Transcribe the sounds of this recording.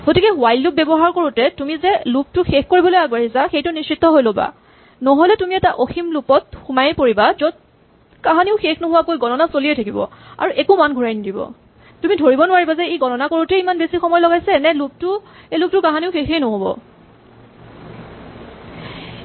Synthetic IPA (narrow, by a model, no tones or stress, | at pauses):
ɡotikɛwajlːup̚bɛbɔɦaɹkoɹutɛtumizɛlup̚tʊxexkoɹibɔlojaɡbaɹizaxejtʊnisitːɔɦojloba̰ | nɔɦɔlɛtumiɛtaʔoximlupɔt̚xumajɛpoɹibazod̚ | kaɦaniʊxexnɔɦʊwakojɡɔnɔnasoliejtʰakibɔ̰a̰ɹuʔekumanɡʱuɹajnidibɔ̰ | tumidʱoɹibɔnʊwaɹibazɛeɡɔnɔnakoɹuteimanbesixɔmɔjlɔɡajsɛnɛlup̚tʊejlup̚tʊkãɦaniʊxexejnɔɦobɔ̰